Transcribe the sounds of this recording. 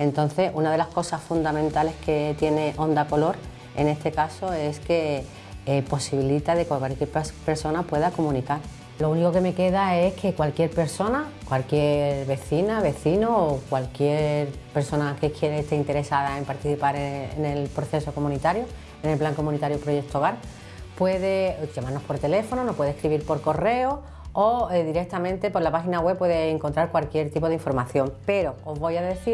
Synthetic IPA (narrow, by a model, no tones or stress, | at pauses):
e̞nt̪o̞nθe̞sunað̞e̞lahko̞sasfund̪amẽnt̪ale̞hke̞t̪je̞ne̞ʔo̞nd̪ako̞lo̞ɾ | e̞̰ne̞st̪e̞kaso̞e̞ske̞ | po̞siβilit̪aðe̞kakalkjeɾppe̞ɾso̞napwe̞ðako̞mũnikaɾ | lo̞uniko̞ke̞me̞ke̞ð̞ae̞skʰe̞kwalkje̞ɾpe̞ɾso̞nakwalkje̞ɾβe̞θinaβe̞θinoːkwalkje̞ɾpe̞ɾso̞nake̞kʰje̞ɾeːst̪eɾint̪e̞ɾe̞sað̞ae̞mpaɾt̪iθipaɾene̞lpɾoθe̞so̞ko̞mũnit̪aɾjo | ene̞lplaŋko̞mũnit̪aɾjopɾo̞je̞k̚t̪oɣaɾ | pwe̞ðe̞ʝamaɾno̞spo̞ɾt̪e̞le̞fo̞nonopwe̞ðekɾiβiɾpo̞ɾko̞re̞o | oeðiɾe̞k̚t̪amẽ̞nt̪e̞po̞ɾlapaxinawe̞pːweðeːŋkont̪ɾaɾkwalkje̞ɾt̪ipo̞ð̞iɱfo̞ɾmaθjo̞ŋpe̞ɾo̞ozβo̞jaðe̞θiɾ